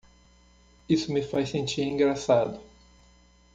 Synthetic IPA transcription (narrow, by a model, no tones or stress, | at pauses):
isʊmɪfajsẽnt͡ʃiɾĩŋɡɾasad̪ʊ